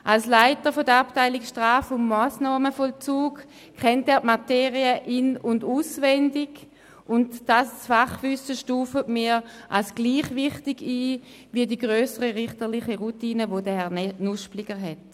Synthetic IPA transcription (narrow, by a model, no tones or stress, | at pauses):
ʔalslaɪtəfodəaptaɪlikʃtʁaːfʊnmaːsnaːməfɔlt͡suːk | kʰɛntɛːɐtmateːʁiəʔinʊnduːsvɛndiɡ | ʔʊntd̥asfaχvʏsəʃtuːfətmiːʔalsɡ̥liːχvɪχtiɡiː | viədiɡʁøːsəʁəʁɪχtəʁlɪχəʁutiːnəvodəhɛʁnnuʃpliɡəɦɛt